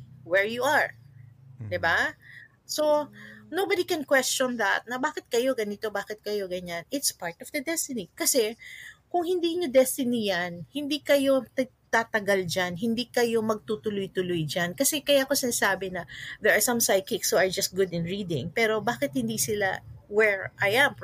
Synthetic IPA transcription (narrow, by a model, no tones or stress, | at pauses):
wɛɹjuɐɹ | d̪ɪba | sonowbad̪ikɛnkwɛst͡ʃɔnd̪ɐ̰t̪̚nɐbaːkɪt̪̚kɐjo̞ɡɐnɪt̪o̞baːkɪt̪̚kɐjo̞ɡɐɲanɪt̪spaɹt̪ɔvd̪ɐd̪ɛst̪ɪnikɐsɛkʊŋhɪnd̪iːɲod̪ɛst̪ɪnijɐnhɪnd̪iːkɐjo̞t̪ | t̪at̪ɐɡald͡ʒanɦɪnd̪ikɐjo̞mɐɡ̚t̪ut̪ʊlʊjt̪ʊlojd͡ʒankɐsɛkɐjaːkosɪnasaːbɪnɐðɛɹʔɐsɐ̃msajkɪkshuɐɹd͡ʒɐst̪̚ɡʊd̪ɪ̃nɹiːd̪ɪ̰̃ŋpɛːɾo̞baːkɪt̪̚hɪnd̪isɪla̰wɛɹʔajɐ̃m